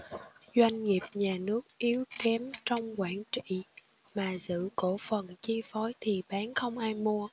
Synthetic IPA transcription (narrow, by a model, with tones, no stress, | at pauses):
zwa˧jŋ̟ŋi˨˩əp̚ɲaː˨˩nɨ˦˥ək̚ʔi˨˦əwkkɛ˨˦mt͡ɕɔ˧wŋ͡mkwaː˧˩nt͡ɕḭ˧˨ | maː˨˩zɨ̰˧˨ko˧˩fə˨˩nt͡ɕi˧fɔ˨˦jt̪ʰi˨˩ɓaː˨˦nxə˧wŋ͡mʔaː˧jmu˧ə